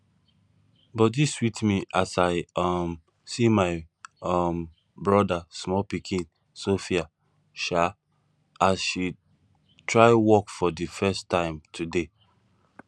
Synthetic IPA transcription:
bɔdiswitmiʔasaɪɔm | simaɪɔm | bɹɔdasmɔlpikʰĩn | sofia | ʃa | asʃi | tɹaɪwɔkfɔdifɛstʰãɪ̃mtʰude

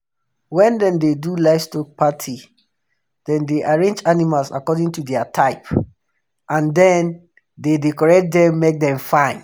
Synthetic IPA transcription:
wɛ̃ndɛ̃mdedulaɪfstɔk̚pʰatʰi | d̥ɛ̃ndeʔaɹẽnd͡ʒanimalsa̰kɔdĩŋtudɛatʰaɪp | ʔãndɛ̃n | dedekɔɹɛk̚t̚dɛ̃mːek̚dɛ̃mfãɪ̃n

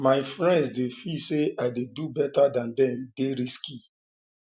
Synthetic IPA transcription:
maɪfɹɛ̃ndsdefiseʔaɪdedubɛtadãndɛ̃mdeɾiski

